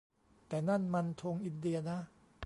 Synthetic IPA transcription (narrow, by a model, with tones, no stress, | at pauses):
t̪ɛː˨˩na˥˩nma˧nt̪ʰo˧ŋʔi˧ndi˧ɐna˦˥